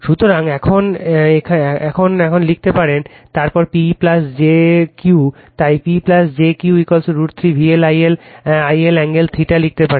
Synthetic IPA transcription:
ʃut̪oɾaŋɛkʰonekʰɛkʰonɛkʰonlik̚t̪epaɾen | t̪aɾpɔɾpiplasd͡ʑeku | t̪ajpiplasd͡ʑekiuuikɔlsoɾuɾt̪ʰɾibʱielajelajelɛŋɡelt̪ʰɾiʈalik̚t̪epaɾe

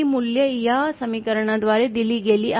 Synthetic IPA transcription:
imuljəjasəmikəɾɳad̪ʋaɾed̪iliːɡeliːʔa

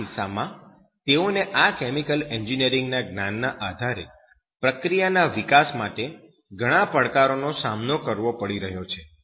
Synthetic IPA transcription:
isamã | t̪eoneʔakɛmikəlɛɲd͡ʒiniəɾɪŋɡnaɡnanːaʔad̪ʱaɾe | pɾəkɾijanaʋikasmaʈe | ɡʱəɽ̃ãpəɭkaɾonosamnokəɾʋopəɽiɾəɦjot͡ʃʰe

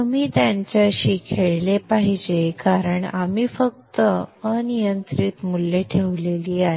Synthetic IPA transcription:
əmiːt̪jaɲt͡ɕjaɕikʰeɭlepaɦid͡ʑekaɾəɳamiːfəkt̪əənijənt̪ɾit̪mulːeʈʰeʋleliːaɦe

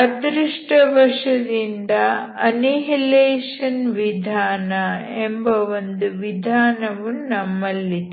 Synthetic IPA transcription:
ɐd̪ɾiʂʈɐʋɐʂɐd̪ind̪ɐ | ɐniɦileːʂɐnʋid̪ʱaːnɐembɐʋond̪uʋid̪ʱaːnɐʋunɐmːɐlːi

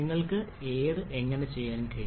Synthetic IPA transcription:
ŋːɐɭkɨ | eːðɨʔe̞ŋːɐne̞t͡ɕe̞jːaːnnkɐi

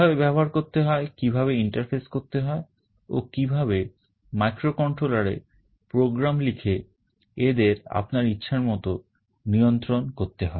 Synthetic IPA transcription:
abebɛboɦaɾkoɾt̪eɦɔekibʱaβeiɳʈaɾfʰeskoɾt̪eɦɔe | okibʱaβe | majkɾokɔɳʈɾolaɾḛ | pɾoɡɾamlikʰe | ed̪eɾa̰pnaɾitːɕʰaɾmɔt̪o | nijont̪ɾonkoɾt̪eɦɔe

